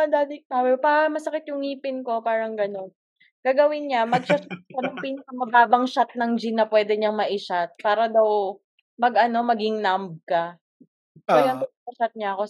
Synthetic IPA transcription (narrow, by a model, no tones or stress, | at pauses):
ɐd̪aːt̪ɪt̪awɛpaɐmɐsɐkɪt̪̚jʊŋiːpɪnko̞paːɾɐŋɡɐno̞n | ɡ̥aːɡɐwɪnɲamɐɡ̚ʃat̪̚kɐnɐŋpiːnɐkɐmɐbaːbɐŋʃat̪̚nɐŋd͡ʒinːɐpwɛːd̪ɛɲɐŋmɐʔɪʃat̪̚paːɾɐd̪aw | mɐɡɐno̞mɐɡɪŋnamb̚kɐ | ɐlɐɡaŋt̪ʊpaɐʃat̪̚ɲaɐko̞